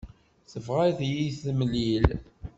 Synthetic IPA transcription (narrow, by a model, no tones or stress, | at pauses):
θəvʁaθjiθməlːil